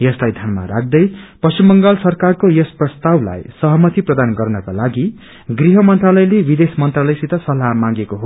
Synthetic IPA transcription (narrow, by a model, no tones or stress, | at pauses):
jʌslajd̪ʱʌnma̰ɾa̰k̚d̪ʌjpʌst͡ɕimːʌŋɡalsʌrkarkojʌsprʌst̪awla̰jsʌɦʌmʌt̪iprʌd̪anɡʌrnʌkalaɡi | ɡriɦʌmʌnt̪ralʌjlebid̪esmʌnt̪ralʌjsit̪ʌsʌlamãŋɡekoɦo